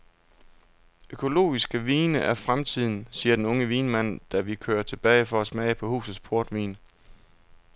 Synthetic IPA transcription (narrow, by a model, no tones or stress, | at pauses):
økʰo̝lo̝̰ːisɡ̥əʋiːnəʔæɐfʁamt͡sʰið̞̰ˠn̩siːɐd̥enɔ̽ŋəʋiːnmæn̰d̥æʋikʰø̰ːɐɐt͡sʰe̝b̥ɛ̰ːɪfɒ̽æsmɛːɪpʰɒ̽hṵːsð̩ˠspʰo̝ɐd̥ʋḭːn